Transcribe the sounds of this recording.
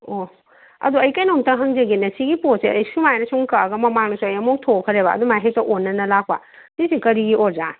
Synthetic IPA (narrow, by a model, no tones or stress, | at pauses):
o | ɐ̰duɐjkajnoŋtɐɦɐŋzɐɡinɐsiɡiposeɐjsumajnɐsuŋkɐɡɐmɐmaŋnosuɐjɐmok̚tʰokʰɐɾebɐɐ̰dumajɦek̚tɐʔonːɐnɐlakʰba̰ | disikɐɾiɡiʔoɾza